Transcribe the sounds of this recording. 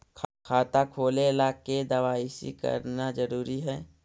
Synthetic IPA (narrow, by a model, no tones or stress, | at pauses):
kʰkʰaːt̪akʰoːlelaːked̪ɐwaːisḭkə̰ɾnazəɾuːɾiɦɛː